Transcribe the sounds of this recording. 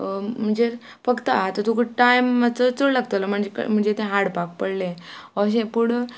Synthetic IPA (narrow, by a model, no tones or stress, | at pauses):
m̤əɳd͡ze | fəkt̪əat̪ət̪ukuʈʈajmat͡sət͡soɽlaɡ̚t̪əlam̤əɳd͡zekm̤əɳd͡zet̪ẽɦaɽpak̚pəɽleɔɕ̬ẽpuɽ